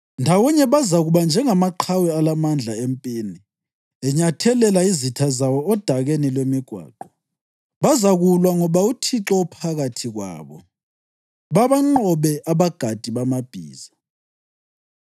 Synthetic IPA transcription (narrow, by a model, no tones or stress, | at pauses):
ndʱawɔɲɛβazaɣuβand͡ʒʱɛŋamaǃʰawialamand͡ɮʱaempʼiːni | ɛɲatʰɛlɛlaizitʰazawɔːd̥ʱaɣenilwemiɡ̥ʱwa̰ːǃɔ | βazaɣulwaŋɔβautʰiǁɔupʰaɣatʰiɣwa̰ːβɔ̰ | βaβaŋ͡ǃɔβɛʔaβaɡ̥ʱad̥ʱiβamab̥ʱiːza